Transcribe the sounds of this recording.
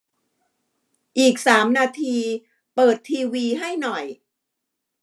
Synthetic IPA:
ʔiː˨˩k̚saː˩˦mnaː˧t̪ʰiː˧ | pɤː˨˩t̪ʰːiː˧wiː˧ɦa˥˩jnɔ˨˩j

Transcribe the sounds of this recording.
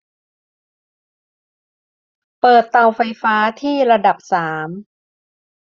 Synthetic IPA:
pɤː˨˩t̪ːa˨˩wfa˧jfaː˦˥t̪ʰiː˥˩ɾa˧da˨˩p̚saː˩˦m

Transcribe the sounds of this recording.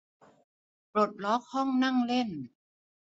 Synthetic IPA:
pɾo˨˩t̪̚lɔ˦˥k̚hɔ˥˩ŋna˥˩ŋle˥˩n

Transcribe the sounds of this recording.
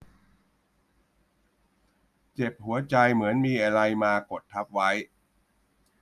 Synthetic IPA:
t͡ɕe˨˩p̚hu˩˦ɐt͡ɕa˧jmɯ˩˦ənmiː˧ʔa˧ɾa˧jmaː˧ko˨˩t̪ʰːa˦˥p̚wa˦˥j

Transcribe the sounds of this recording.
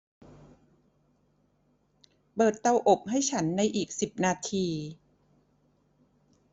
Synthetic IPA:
pɤː˨˩t̪ːa˧wʔo˨˩p̚ha˥˩jt͡ɕʰa˦˥nːa˧jʔiː˨˩k̚si˨˩p̚naː˧t̪ʰiː˧

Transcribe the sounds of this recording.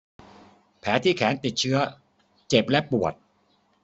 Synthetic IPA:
pʰɛː˩˦t̪ʰiː˥˩kʰɛː˩˦nt̪i˨˩t̪̚t͡ɕʰɯ˦˥ɐ | t͡ɕe˨˩p̚lɛ˦˥pu˨˩ət̪̚

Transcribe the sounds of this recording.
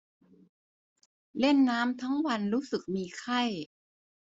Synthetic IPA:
le˥˩nːaː˦˥mt̪ʰa˦˥ŋwa˧nɾuː˦˥sɯ˨˩k̚miː˧kʰa˥˩j

